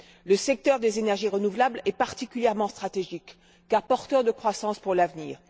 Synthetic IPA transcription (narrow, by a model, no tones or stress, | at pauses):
ləsɛk̚t̪œʁd̪ezenɛʁʒiʁənuvlablɛpaʁt̪ikʲyljɛʁmɑ̃st̪χat̪eʒikː | aʁpɔʁt̪œʁd̪əkχwasɑ̃spuʁlavniːʁ